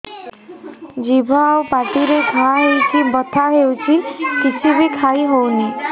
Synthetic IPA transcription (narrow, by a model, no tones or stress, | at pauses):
d͡ʒibʱaawpaʈiɾeɡʱaɦewt͡ʃʰibət̪ʰaɦewt͡ɕʰikit͡ʃʰibʱiːkʰaiɦowni